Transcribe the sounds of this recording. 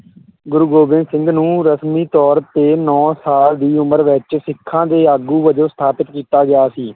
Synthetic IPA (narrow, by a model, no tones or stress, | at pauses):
ɡʊɾuːɡoːbɪ̃nd̪sɪ̃ŋɡnũːɾəsmiːt̪ɔːɾt̪eːnɔ̃ːsaːld̪iːʊməɾʋɪt͡ʃsɪkʰːãːd̪eːaːɡuːʋəd͡ʒõːst̪ʰaːpət̪kiːt̪aːɡɪjaːsiː